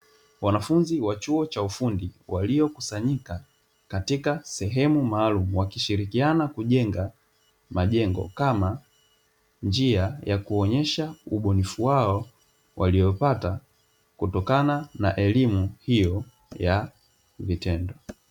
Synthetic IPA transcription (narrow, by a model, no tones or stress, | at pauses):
wanafunziwat͡ʃuɔt͡ʃaufundiwaliɔkusaɲika | katikasɛɦɛmumaːlumuwakiʃiɾikianakuʄɛŋɡa | maʄɛŋɡɔ̰kama | nd͡ʒiajakuɔɲɛʃauɓɔnifuwaɔ | wʔaliɔpata | kutɔkananaʔɛlimuhijɔ | ja | vitɛndɔ